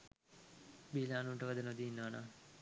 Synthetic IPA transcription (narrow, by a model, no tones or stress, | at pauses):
biːlaːnuːʈəʋɐd̪ɐnod̪iːnːəʋanaː